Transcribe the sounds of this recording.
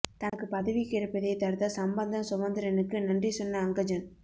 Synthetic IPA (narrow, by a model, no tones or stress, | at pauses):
t̪ɐnɐkːɯpɐðɐʋikɪɾɐpːɐðɐɪt̪ɐɾt̪ɐsɐmbɐnd̪ɐmsʊʋɐnd̪ɪɾɐnɯkːɯnɐndrisɔnːɐːŋɡɐd͡ʒɐn